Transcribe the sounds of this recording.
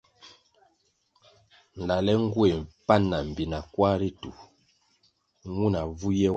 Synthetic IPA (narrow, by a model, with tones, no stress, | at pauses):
n̩˨la˨lɛ˦ŋ̩˦ɡwe˨m̩˨pa˦nːa˨m̩˨bi˨na˨kwa˦ɾi˦tu˨ | ŋu˦na˨vu˦jɛ˦